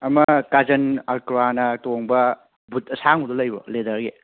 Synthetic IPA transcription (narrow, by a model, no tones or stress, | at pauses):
ɐmɐkad͡ʒɐnɐɾkɾwanɐtoŋbɐ | but̚ɐsaŋudolɐjbo̰led̪ɐɾɡe